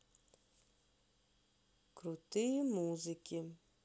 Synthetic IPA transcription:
kɾut̪ijmuzɨkʲi

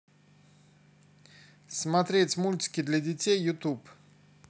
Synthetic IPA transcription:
smɐt̪ɾʲetʲmulʲtʲɪ̥kʲɪd̪lʲɐdʲɪtʲejːʊt̪up

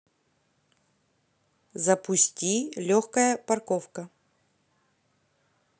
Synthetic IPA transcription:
zɐpʊsʲtʲilʲoxkəjəpɐrkofkə

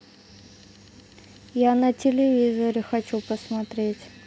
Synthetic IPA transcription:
janətʲɪlʲɪvʲizəɾʲɪxɐt͡ɕupəsmɐt̪ɾʲetʲ

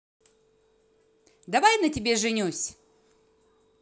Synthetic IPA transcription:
d̪ɐvajnətʲɪbʲe̞ʐɨnʲusʲ

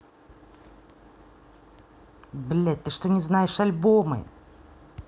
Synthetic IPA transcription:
blʲɛt̪t̪ːɨʂt̪onʲɪznajɪʂɐlʲbomɨ̰

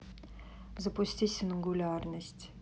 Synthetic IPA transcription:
zəpʊsʲtʲisʲɪnɡulʲarnəsʲtʲ

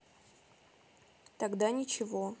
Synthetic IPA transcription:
t̪ɐɡd̪anʲɪt͡ɕɪvo

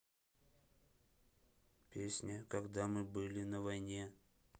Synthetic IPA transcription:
pʲesʲnʲəkɐɡd̪amɨbɨlʲɪnəvɐjnʲe̞

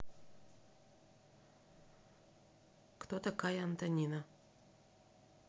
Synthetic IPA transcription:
kt̪ot̪ɐkajɐɐnt̪ɐnʲinɐ

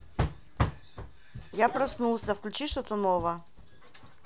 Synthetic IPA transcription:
japɾɐsnulˠsʲəfklʲʉt͡ɕiʂt̪ot̪ənovə

